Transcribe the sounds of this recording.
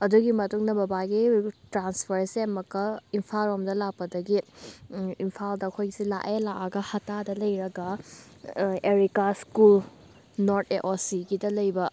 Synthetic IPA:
ɐduɡimɐtuŋnɐbɐbaɡitɾanspʰɐɾseɐmɐkːɐimpʰalomdɐlak̚pːɐdɐɡiː | mpʰaldɐːkʰojɡsilaʔelaʔaɡɐhɐtadɐlɐjɾɐɡɐ | eɾikaskul | noɾtʰeʔosiɡidɐlɐjbɐ

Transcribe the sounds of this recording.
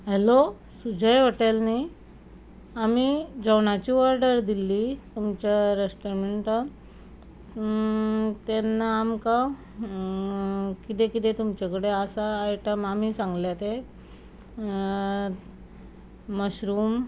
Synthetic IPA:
ɦelo | sud͡ʑəjʋəʈelni | amid͡zəwɳat͡ɕiʋəɾɖəɾd̪ilːit̪umt͡ɕaɾesʈəɾmeɳʈə | t̪enːaːmka | kit̪ekit̪ẽt̪umt͡ɕekəɽeasaːjʈəmamisãŋɡljat̪e | məɕɾuːm

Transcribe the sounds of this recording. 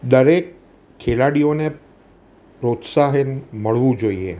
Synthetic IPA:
d̪əɾekʰː | elaɽijone | pɾot̪saɦenməɭʋũd͡ʒoiḛ

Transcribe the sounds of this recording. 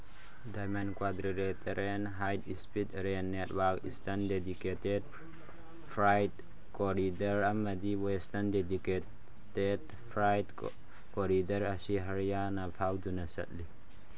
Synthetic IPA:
d̪amankwad̪ɾiɾet̪ʰɐɾenɦajd̪ispit̪ɾenːet̪waɡḭst̪ɐnded̪iket̪ed̚ | fɾajd̪ | koɾid̪ɐɾɐmːɐd̪iwost̪ɐnded̪ike | ted | fʰɾajd̪ | koɾid̪ɐɾasiɦɐɾjanapʰawd͡ʒunɐsɐ̰t̪li

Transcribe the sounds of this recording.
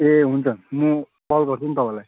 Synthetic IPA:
eɦunt͡sʰʌnmũ | pʌlɡʌɾt͡sʰunt̪ʌpãlaj

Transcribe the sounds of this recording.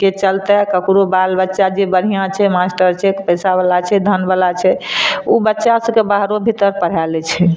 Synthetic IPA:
ket͡ʃəlt̪ɛkəkɾobalbətːʃad͡ʒebəɽ̤ijãt͡ʃʰɛmasʈəɾt͡ʃʰɛkpəsabəlat͡ʃʰɛd̪ʱənbəlat͡ʃʰɛubətːʃasə̃kebaɦɾobʱit̪əɾpəɽ̤ɛlɛt͡ʃʰɛ

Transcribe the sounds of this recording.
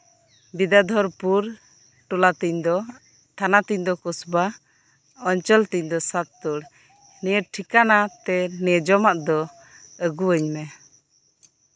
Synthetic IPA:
bid̪ad̪ʱɔɾpuɾ | ʈɔlat̪iɲd̪ɔ | t̪ʰanat̪iɲd̪ɔkɔsba | ɔɲt͡ʃɔlt̪iɲd̪ɔsat̪ːɔɽ | nijəʈ̚ʈʰikanat̪ɛnɛd͡ʒɔmaʔd̪ɔ | əɡuəɲmɛ

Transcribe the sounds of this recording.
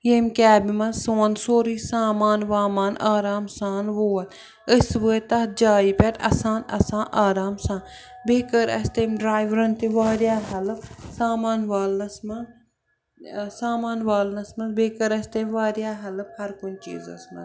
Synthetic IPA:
jemkʲaːbimɐsoːɐnsoːɾisaːmaːnʋaːmaːnʔaːɾaːmsaːnʋoːɐt̪ | ɨsʋət̪ɐhd͡ʒaːipʲeʈ̪ɐ̰sãːnɐ̰sãːnʔaːɾaːmsãːnbeːkəɾɐ̰st̪eːmɖɾaːjʋɾɐnt̪iʋaːɾjaːɦɐlpsaːmaːnʋaːlnɐsmɐn | saːmaːnʋaːlnɐsmɐnbeːkəɾɐst̪emʋaːɾjaːɦɐlɨp̚hɐɾkʊnt͡ʃḭːzɐ̰smɐ̰

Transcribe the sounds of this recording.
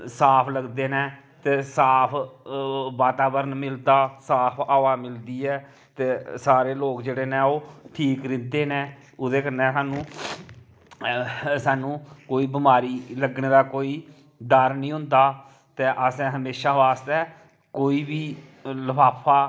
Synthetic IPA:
saːpʰləɡd̪eːneː | t̪eːsaːpʰ | ʋaːt̪aːbəɾənmɪld̪aːsaːpʰaːʋaːmɪld̪iːɛː | t̪eːsaːɾeːloːkd͡ʒeːɽeːnɛ̃ːoːʈʰiːkɾɪ̃nd̪eːnẽː | ʊd̪eːkənːɛ̃ːsaːnũː | saːnũːkoːiːbɪmaːɾiːləɡneːd̪aːkoːiː | d̪əɾnĩːɦʊ̃nd̪aː | t̪eːʔəsɛ̃ːɦəmeːʃaːʋaːst̪ɛː | koːiːbiː | ləpʰaːpʰaː

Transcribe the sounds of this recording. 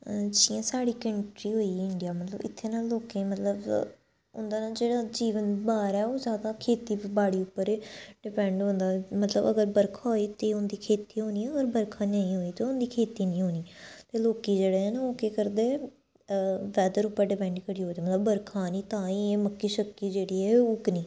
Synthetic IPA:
t͡ʃiːãːsaːɽiːkəɳʈɾiːɦoːiːɪɳɖijaːmət̪lə̰bɪ̰t̪ʰːeːnaːlːoːkẽːmət̪ləb | ʊ̰nd̪aːnaːd͡ʒeːɽaːd͡ʒiːʋənbaːɾɛːoːzjaːd̪aːkʰeːt̪iːbaːɽiːʊpːəɾeɖɪpɛ̃ːɳɖɦõːnd̪aːmət̪ləbəɡəɾbəɾkʰaoːiːt̪eːʊnd̪iːkʰeːt̪iːɦoːniːɛ̃əɡəɾbəɾkʰãːnəĩːɦoːiːt̪eːʊnd̪iːkʰeːt̪iːnĩːɦoːniːt̪eːloːkiːd͡ʒeːɽeːɛːnaoːkeːkəɾd̪e | ʋɛːd̪əɾʊpːəɾɖɪpɛ̃ːɳɖkəɽiːɦoːd̪aːmət̪ləbːəɾkʰãːnĩːt̪ãːĩːməkːiːʃəkːiːd͡ʒeːɽiːɛːoːknĩː

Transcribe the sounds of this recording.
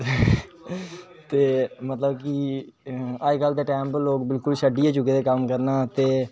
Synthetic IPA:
t̪eːmət̪ləbki | aːkald̪eːʈɛ̃ːmpəlːoːkbɪlkʊlʃəɖiːeːt͡ʃʊked̪eːkəmkəɾnaːt̪eː

